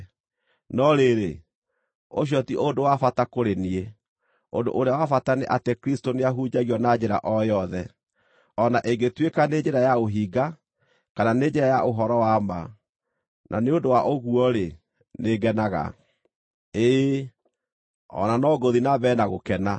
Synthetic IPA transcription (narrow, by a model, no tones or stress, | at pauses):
nɔɾeɾe | oʃ̬jɔtiʔondowafatakoɾenie | ondo̰ʔoɾeawafataneʔatekɾistoneaɦud͡ʑaɣiɔnad͡ʑeɾa̰ʔɔjɔðɛ | ɔnaʔeŋɡetwekaned͡ʒeɾajaoɦiːɡa | kananeːd͡ʒeɾajaʔoɦɔɾɔwama | nʔa̰neondowaʔoɣuɔɾe | neɡɛnaɣa̰ | e | ɔ̰nanɔɡoðinaβɛnaɣokɛna